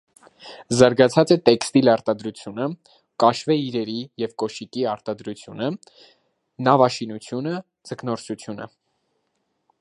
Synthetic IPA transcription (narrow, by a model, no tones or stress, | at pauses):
zɑɾɡɑt͡sʰɑt͡sɛt̪ɛkst̪ilɑɾt̪ɑd̪ɾut͡sʰjunə | kɑʃvɛiɾɛɾijɛvkɔʃikiɑɾt̪ɑd̪ɾut͡sʰjunə | nɑvɑʃinut͡sʰjunə | d͡zəknɔɾsut͡sʰjunə̰